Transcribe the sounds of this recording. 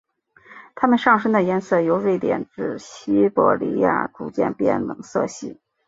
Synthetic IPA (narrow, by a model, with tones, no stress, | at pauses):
t̪ʰa˥mə˨nʂɑ˥˩˧ŋʂ̬ə˥ŋd̪ə˨jɛ˥nsɤ˥˩jo˧˥ʊɻwe˥˩ɪt̪jɛ̰˨˩nʈ͡ʂɻ̩˥˩ɕi˥pɔ̰˧˥lḭ˧˥ja̰˥˩ʈ͡ʂu˨˩t͡ɕjɛ̰˥˧npjɛ̰˥˩nlɤ̰˧˩˥ŋsɤ˥˧ɕḭ˥˩˦